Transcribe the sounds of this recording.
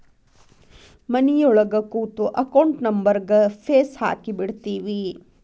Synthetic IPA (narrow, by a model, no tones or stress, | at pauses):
mɐnijɔɭɐɡɐkuːt̪uʔɐkɐwɳʈnɐmbɐɾɡɐpʰeːsha̰ːkibiɽt̪iːʋi